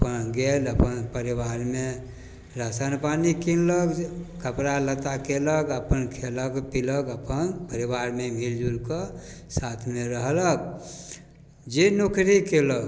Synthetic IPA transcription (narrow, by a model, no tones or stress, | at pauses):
əpənɡeləpənpəɾiwaɾme | ɾasanpanikinləkkəpɾalət̪akeləkəpənkʰeləkpiləkəpənpəɾibaɾmemild͡ʒulkəsat̪ʰmeɾəɦlək | d͡ʒenokʰɾikeləɡ̚